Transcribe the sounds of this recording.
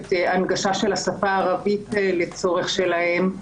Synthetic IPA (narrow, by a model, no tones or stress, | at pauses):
teanɡaʃaʃe̞lhasafaːʁavitlet͡so̞ʁeχʃe̞lahe̞m